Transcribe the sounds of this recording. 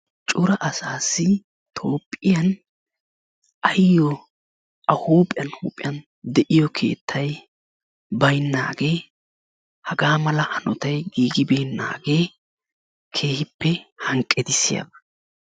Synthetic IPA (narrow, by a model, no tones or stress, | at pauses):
t͡ʃʼʊɾɐʔɐsaːsːɪ | t̪ʰo̞ːpʼːɪjɐn | ʔɐjːɔ | ɐhuːpʼɪjɐnhṵːpʼɪjɐn | d̪ɛʔɪjɔkʰe̞̰ːt̪ʰːɐj | bɐjnːaːɡe̞ː | hɐɡaːmɐlɐhɐnʔɔt̪ɐjɡiːɡɪbejnːa̰ːɡe̞ː | kʰe̞ːhɪpːɛhɐŋkʼːɛd̪ɪsːɪjɐ̰bɐ̥